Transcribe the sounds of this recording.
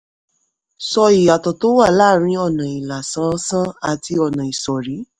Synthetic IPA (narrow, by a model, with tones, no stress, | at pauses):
sɔ˧i˨a˨tɔ˨to˦wa˦˨la˦˨ɾ̃ĩ˦ɔ˦˨nã˨i˨la˨sã˧˦sã˦a˦˨ti˧ɔ˧˨nã˨i˨sɔ˨ɾi˨˦